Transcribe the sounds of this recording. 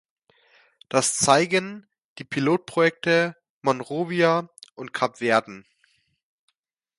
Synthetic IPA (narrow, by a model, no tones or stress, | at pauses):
d̥ast͡saɪɡən | d̥iːpʰiloːt̚pʁ̥ojɛk̚tə | mɔnʁoːviaʔʊnt̚kʰapv̥ɛːɐdn̩